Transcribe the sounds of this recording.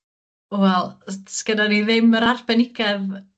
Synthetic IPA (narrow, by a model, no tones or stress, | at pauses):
ɔwɛlˠtsɡ̥ənaniðɪməɾarbɛnɪɡɛð